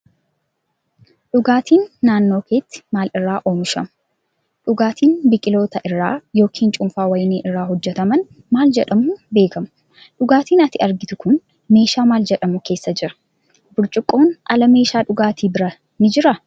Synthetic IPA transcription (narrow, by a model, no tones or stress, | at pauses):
ᶑʊɡaːt̪ʰiːnːaːnːo̞ːke̞ːt̪ːɪ̥maːlɪrːaːʔo̞ːmɪʃɐ̰mʊ | ᶑʊɡaːt̪ʰiːnbɪkʼɪlo̞ːt̪ɐʔɪrːa̰ːjo̞ːkʰiːnt͡ʃʼʊmfaːwɐjɪneːʔɪrːaːhɔd͡ʒːɛt̪ɐmɐn | maːld͡ʒɛᶑɐmuːbe̞ːkɐm | ᶑʊɡaːt̪iːnɐt̪ɪɐɾɡɪt̪ʊkʊn | me̞ːʃaːmaːld͡ʒɛᶑɐmʊke̞ːsːɐd͡ʒɪɾɐ̥ | bʊlt͡ʃʼʊkʼːo̞ːnʔɐlɐme̞ːʃaːᶑʊɡaːt̪ʰiːbɪɾɐ | nɪd͡ʒɪɾɐ